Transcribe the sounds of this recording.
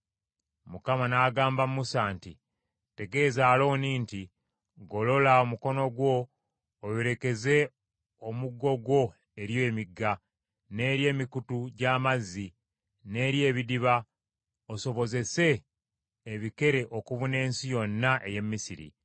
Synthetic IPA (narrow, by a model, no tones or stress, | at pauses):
mukamanaːɡaːmbammusaːnti | te̞ɡe̞ːzaːlo̞ːniːnti | ɡo̞lo̞laomuko̞no̞ɡwo̞ː | βeɾe̞ke̞ze̞ | omuɡːo̞ɡwo̞ | e̞ɾjoːmiɡːa | ne̞ːɾje̞ːmikutuɟaːmazːi | ne̞ːɾje̞ːβidiβa | oso̞βo̞ze̞se̞ː | βike̞ɾe̞ʔo̞kuβune̞ːnsijo̞nːaʔe̞je̞mːisiɾḭ